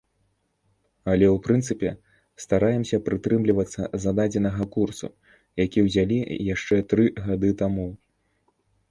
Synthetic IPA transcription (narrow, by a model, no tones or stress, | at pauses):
ɐlʲɛwpɾɨnsɨpʲɛ | st̪aɾajɛmsʲɐpɾɨt̪ɾɨmlʲivɐt̪sːɐzad̪ad͡zʲɛnɐɣɐkursṵ | jakʲiwzʲalʲijaʂt͡ʂɛt̪ɾɨɣad̪ɨt̪amu